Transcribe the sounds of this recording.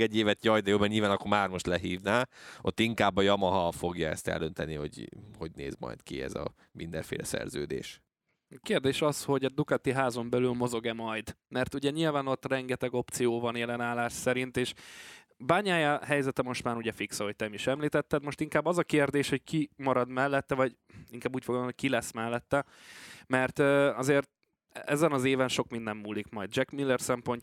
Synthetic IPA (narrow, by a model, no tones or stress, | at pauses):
ɛɟːeːvɛt̪jɒjd̪ɛjoːmɛɲilvaːnɒkːoɾmaːrmo̞ʃt̪lɛɦiːvnaːo̰t̪ːiŋkaːbːɒjɒmɒɦɒfo̞ɡjɒɛ̰st̪ɛ̰ld̪ønt̪ɛniho̞̰ɟho̞ɟnḛːzmɒ̰jt̪kḭɛ̰zɒ̰ | mind̪ɛɱfeːlʔɛsɛ̰rzøːd̪ḛːʃ | keːrd̪eːʃɒsho̞ɟɛd̪ukat̪iɦaːzo̞mbɛlylmo̞zo̞ɡɛmɒjd̪mɛrt̪uɟɛɲilvaːno̞t̪ːrɛŋɡɛt̪ɛɡo̞pt̪sijoːvɒnjɛlɛnaːlaːʃsɛɾint̪eːʃ | baːɲaːjaɦɛjzɛt̪ɛmo̞ʃt̪maːɾuɟɛfiksɒɦoc̚t̪ɛmiʃɛmliːt̪ɛt̪ːɛd̪mo̞ʃt̪iŋkaːbːɒzɒkeːrd̪eːʃho̞ckimɒɾɒd̪mɛlːɛt̪ːɛvɒɟ | iŋkaːbːuːcfoɡld̪oɦo̥kilɛsmɛlːɛt̪ːɛ | mɛrt̪ːɒzeːrt̪̚ | ɛ̰zɛnɒzeːvɛnʃo̞kmind̪ɛmːuːlikmɒjd̪̚d͡ʒɛkmilːɛrsɛmpo̞ɲc